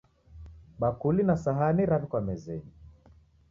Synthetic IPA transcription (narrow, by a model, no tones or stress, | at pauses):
ɓakulinasaɦaniɾafikwamɛzɛni